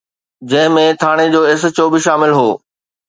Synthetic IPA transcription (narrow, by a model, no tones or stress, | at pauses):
d͡ʑɐ̃ɦɪ̃mẽt̪ʰaːɽ̃ed͡ʑoːes̬̆t͡ɕoːbɪʃaːmɪlɦoː